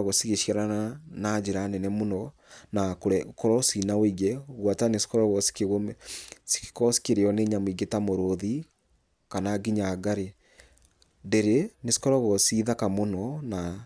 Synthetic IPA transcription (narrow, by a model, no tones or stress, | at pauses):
ɣosiɣeʃjaɾananad͡ʒeɾanɛnɛmonɔ | nakoɾɛkɔɾɔsinawiɣɛɣwatanesi̥kɔɾɔɣɔsi̥keɣomɛsi̥kɔsi̥keɾeɔneɲamiɡetamoɾoði | kanaɡiɲaɡaɾe | deɾenesi̥kɔɾɔɣɔsiːðakamonɔna